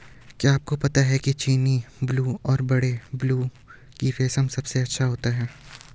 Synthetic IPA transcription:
kjaaːp̚kopɐt̪aɦɛkit͡ʃiːnibluːɔːɾbɐɽebluː | kifeːsəmsɐbseɐtːʃʰaɦoːt̪aɦɛː

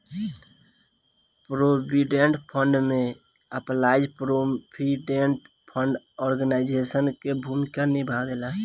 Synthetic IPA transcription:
pɾobiɖeɳʈpʰəɳɖmẽ | əplaɪd͡ʒpɾopʰiɖeɳʈ | pʰəɳɖ | ɔɾɡənaɪd͡ʒesənkebʱumikanibʱabela

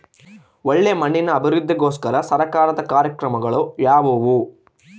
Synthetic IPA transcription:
ɔɭːemɐɳːinɐːbʱiɾud̪ʱːɐɡoːskɐɾɐsɐɾɐkaːnɐt̪ɐkaːɾjɐkɾɐmɐɡɐɭojaːʋoʋu

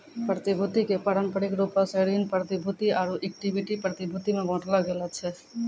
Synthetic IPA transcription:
pɾət̪ibʱut̪ikepaɽənpəɽikɾupaseɽinpɾət̪ibʱut̪iaɾuʔek̚ʈibʱiʈipɾət̪ibʱut̪imẽɡʱɔ̃ʈlaɡelat͡ʃʰɛ

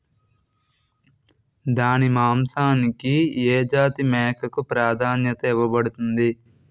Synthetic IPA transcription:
d̪aːnimaːmsaːnikieːd͡ʒaːt̪imɛːkʰɐkupɾaːd̪ʱaːnjɐt̪ɐiʋɐbɐɽut̪und̪i

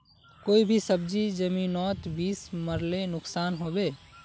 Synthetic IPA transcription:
koːibʱisəbd͡ʒid͡ʒəminɔːt̪biːsməɾlenʊksaːnɦobe

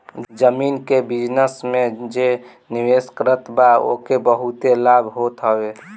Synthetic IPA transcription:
d͡ʒəminkebid͡ʒnəsmẽd͡ʒe | niweskɾət̪bao̰kebəɦut̪elabʱɦot̪ɦəwe

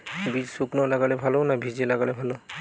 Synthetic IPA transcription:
bid͡ʒsuknɔlaɡalɛbʱalɔnabʱizilaɡalɛbʱalɔ

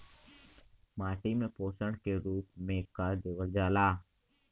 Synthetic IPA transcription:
maːʈiːmẽːpoːsəɳkeːɾuːpmẽːkːaːd͡ʒeːʋəld͡ʒaːlaː

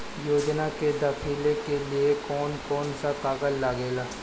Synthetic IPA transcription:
joːd͡ʒnaked̪aːpʰiːlekeliekɔːnkɔːnsapaːɡəlːaːɡeːlaː

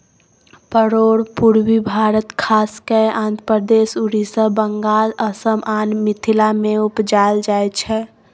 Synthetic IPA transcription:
pəɾoɽpuɾwibʱaɾət̪kʰaskeãnd̪ʱɾəpəd̪esuɾisəbəŋɡaləsəmanmit̪ʰilameupd͡ʒald͡ʒajt͡ʃʰɛ

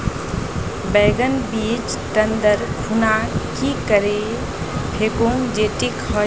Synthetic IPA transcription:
bɛːɡənbiːd͡ʒ | ʈənd̪əɾkʰunakikəɾe | pʰeːkõŋd͡ʒeʈikhɔ

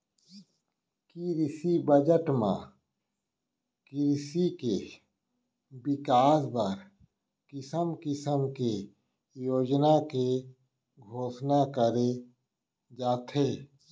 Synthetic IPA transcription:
kiɾɪsibəd͡ʒəʈmã̰ | kɪɾsike | bɪkaːsbəɾ | kɪsəmkɪsəmke | joːd͡ʒnake | ɡʱoːʃnakəɾe | d͡ʒaːt̪ʰeː

